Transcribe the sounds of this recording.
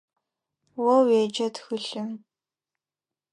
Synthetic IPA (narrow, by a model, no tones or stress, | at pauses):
wɔweːd͡ʒɐtʰxɨɬɨm